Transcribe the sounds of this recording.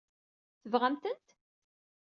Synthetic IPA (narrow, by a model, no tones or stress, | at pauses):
θəvʁæmt̪ənt̪